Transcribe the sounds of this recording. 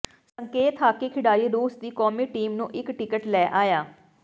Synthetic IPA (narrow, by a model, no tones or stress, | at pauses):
səŋkeːt̪ʰaːkeːkʰɪɽaːɾiːɾuːsd̪iːkɔːmiːʈiːmnũːʔɪkʈɪkəʈlɛːʔaːjaː